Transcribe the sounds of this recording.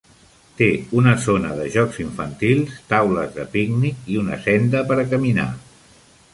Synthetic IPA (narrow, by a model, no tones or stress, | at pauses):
t̪eunəzonəðəʒɔkziɱfənt̪ilˠst̪awləzðəpiɡniiunə̰sɛnd̪əpəɾəkəmina̰